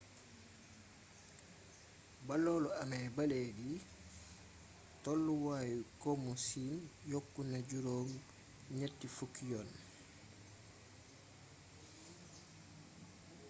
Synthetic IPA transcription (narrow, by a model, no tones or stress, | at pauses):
balɔːlɔamɛbaledi | tɔlːuwaːjkomusiːnjokːunaɟuɾoːŋ | ɲetːifukijɔn